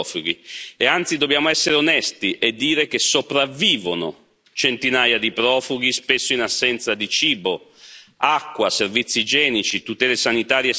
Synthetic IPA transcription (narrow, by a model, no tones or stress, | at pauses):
fuɡieant̪sid̪obːjaːmoɛsːeɾeonɛst̪iʔɛd̪ːiːɾek̟esopɾavːiːvono̰ | t͡ʃent̪inaːjad̪ipɾɔːfuɡ̟ispesːoinasːɛnt̪sad̪it͡ʃiːbo | akːwaservit̪sːid͡ʒɛːnit͡ʃit̪ut̪ɛːlesanit̪aːɾje